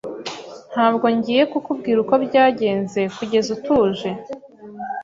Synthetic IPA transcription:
n̥haːbɡo̞ɲɟiːje̞kukub̚ɡiːɾuko̞bɟaːɟe̞ːnze̞kuɟe̞zutuːʒe̞

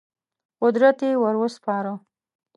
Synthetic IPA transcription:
qʊd̪ɾat̪ewəɾwəspɑɾə

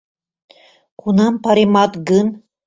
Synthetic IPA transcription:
kunɑmpɑɾimɑt̪ɡɯn

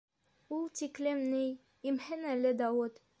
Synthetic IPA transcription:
ulˠt̪iklɘmnɘj | imhɘnælɘd̪ɑwut̪

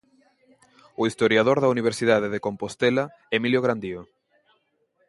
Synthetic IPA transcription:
ʊist̪oɾjaðoɾðɐuniβ̞eɾsiðaðeðekompost̪ela | emiljoɣɾand̪io

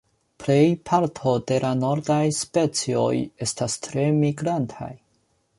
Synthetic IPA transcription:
ple̞jpʰaɾtʰo̞d̥e̞lano̞ɾdajspe̞t͡sio̞̰je̞stastɾe̞miɡɾantʰa̰j

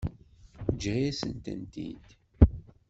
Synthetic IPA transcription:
d͡ʒʁiæsə̰nt̪ə̰nt̪ḭd̪̥

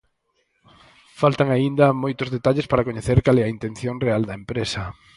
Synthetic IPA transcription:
falt̪ɐŋaind̪ɐmojt̪ʊzðet̪aʎespaɾɐkoɲeθeɾkalɛɐint̪ẽnθjoŋreald̪ɐempɾesɐ

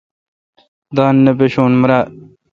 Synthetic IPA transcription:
d̪ɑːnːɐpeɕoːnmɾaː

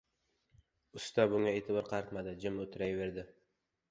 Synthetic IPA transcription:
ʊst̪abʊŋaet̪ʰɪbɒɾqʰɑɾt̪mad̪ɪd͡ʒɪmot̪ʰɪɾajve̞ɾd̪ɪ

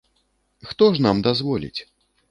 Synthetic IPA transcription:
xt̪ɔʂnamd̪azvɔlʲḭt͡sʲ

